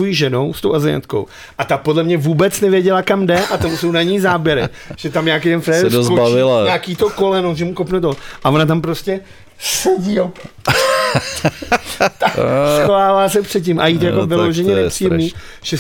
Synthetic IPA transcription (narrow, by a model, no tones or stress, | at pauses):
o̞jiʒɛno̞wst̪owʔazɪja̰t̪ko̞̰w | ʔat̪apo̞dlɛmɲɛvuːbɛt͡snɛvjɛɟɛlakamdɛʔat̪amuso̞wnaɲiːzaːbjɛɾɪ | ʒ̥ɛt̪amɲaːk̬ejt̪ɛnfɾɛːdozobavɪlaɲaːkiːt̪okolɛnoʒɛmukopnɛt̪̬oʔavo̞nat̪ampɾoscɛ | sɛɟi | t̪askoaːlaːsɛpr̥ɛt̪cɪmʔa̰jiːt̪ojakovɪloʒɛɲɛnɛpriːjɛmniːʒ̥ɛ